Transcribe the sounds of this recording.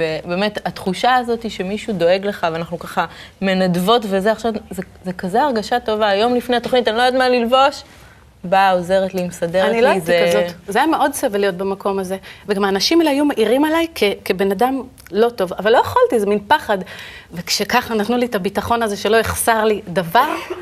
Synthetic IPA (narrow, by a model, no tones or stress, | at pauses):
vebe̞ːme̞tat̪χuʃaːzo̞tiʃe̞miʃudo̞e̞ɡle̞χaveanaχnukaχame̞nadvo̞tvezeaχʃavze | zekazeaʁɡaʃato̞vaːjo̞mlifne̞ato̞χnitalojadmanlilvo̞ʃ | bao̞ze̞ʁetlimsadeaniloaizeeazotzeajameʔo̞dsevelijo̞t̚bemako̞maze̞veɡamaːnaʃimlhajumaʔiʁimalajkʰekebe̞nadam | lo̞to̞vavalːo̞jeχaltizeminpaχadvekʃekaχanatnulitabitaχo̞naze̞ʃe̞loeχsaʁlidavaʁ